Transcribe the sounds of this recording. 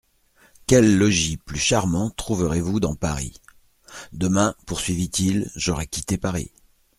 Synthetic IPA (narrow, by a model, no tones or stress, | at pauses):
kʲɛlːɔʒiplyʃaʁmɑ̃t̪χuvəʁevud̪ɑ̃pa̰ʁḭ | d̪əmɛ̃puʁsɥivit̪ilʒɔʁɛkʲit̪epaʁḭ